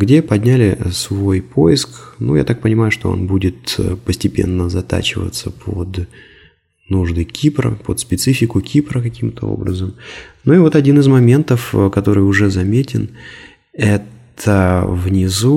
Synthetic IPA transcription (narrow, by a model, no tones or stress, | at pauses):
ɡdʲe̞pɐd̪ʲnʲælʲɪsvo̞jpʰo̞jɪsknṵja̰t̪ak̚pənʲɪmajʊʂt̪o̞o̞̰nbudʲɪt̪pəsʲtʲɪpʲe̞̰nːəzɐt̪a̰t͡ɕɪvə̰t̪səpʰo̰d̪ | nuʐd̪ɨkʲʰipɾə̰pot̪spʲɪt̪sɨfʲɪkʊkʲʰipɾəkɐkʲimt̪əo̞̰bɾəzəmnuivo̞t̪ɐdʲinɨzmɐmʲe̞nt̪əfkɐt̪o̞ɾɨjʊʐɛzɐmʲetʲɪn | ɛt̪ʰəvnʲɪzu